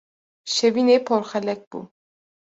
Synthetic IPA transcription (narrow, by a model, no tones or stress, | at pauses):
ʃɛvinɛpʰɔɾχɛlɛk̚b̥ṵ